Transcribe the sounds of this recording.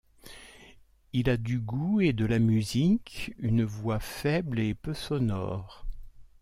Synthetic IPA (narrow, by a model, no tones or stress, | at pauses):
ilad̪yɡued̪əlamyzikynvwafɛblepøsɔnɔ̰ːʁ